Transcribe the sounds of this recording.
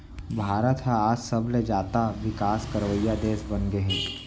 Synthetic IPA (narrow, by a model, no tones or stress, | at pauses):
bʱaːɾət̪ɦaaːd͡ʒsəbled͡ʒaːt̪aʋɪkaːskəɾʋəjːad̪eːsbɐnɡeɦɛ̃ː